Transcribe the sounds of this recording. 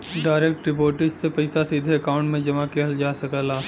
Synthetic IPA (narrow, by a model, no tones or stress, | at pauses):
ɖaːɾeːk̚ʈɾɪpoːɾʈɪd͡ʒsepɐɪsasiːd̪ʱeɐkãːʊ̃ɳʈmẽd͡ʒɐmakeɦəld͡ʒaːsɐkəlaː